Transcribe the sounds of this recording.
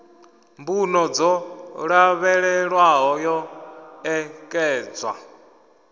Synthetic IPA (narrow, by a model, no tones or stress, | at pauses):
mbunɔd͡zɔɺaβɛɺɛɺwaɦɔjɔɛkʼɛːd͡zwa̰